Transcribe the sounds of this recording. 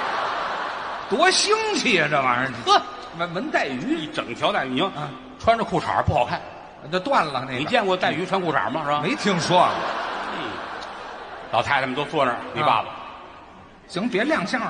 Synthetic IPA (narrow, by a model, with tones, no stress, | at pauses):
t̪wɔ˧˥ɕi˥ŋt͡ɕʰi˥˩˧nə˧˩ʋa˧˥nə˧˩t͡ɕ̪ʰw | ə˧˩wə˧˥nt̪a˥˩ɪy˧˥i˧˩ʈ͡ʂɤ˨˩ŋt̪ʰjɑ˧˥t̪a˥˩ɪi˧˥˧ | ʈ͡ʂʰwa˥nʈ͡ʂə˧kʰu˥˩ʈ͡ʂʰa̰˧˥pu˥˩xɑ˨˩ʊkʰa˥˩n˧˩ | o˧t̪wa˥˩nlə˨˩ne˥˩˨t͡ɕjɛ˥˧nkwɔ˥˧t̪a˥˩ɪy˧˥ʈ͡ʂʰwa˥nkʰu˥˩ʈ͡ʂʰa̰˧˥mɐ˧ɻ̩˥˩˧me˧˥ɪt̪ʰi˧˥ŋʂwɔ˥˨e˥˧ | lɑ˨˩ʊt̪ʰɪt͡sʰa˥˩mə˨˧t̪o˥ʊt͡swɔ˥˧nə̰˥˧˩nwe˧˥pa̰˥˩bɐ˩ | t͡ɕi˧˥ŋpjɛ˧˥ljɑ˥˧ŋɕjɑ˥˧ŋ